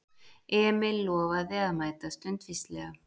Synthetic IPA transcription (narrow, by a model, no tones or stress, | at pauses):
ɛmɪlɔːvaðɛamaːjt̪ast̪œnt̪fist̪lɛɣa